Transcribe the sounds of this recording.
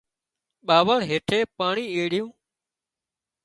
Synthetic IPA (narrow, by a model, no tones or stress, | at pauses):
ɓaːʋəɽɦeːʈʰeːpaːɳiːeːɽɪjũː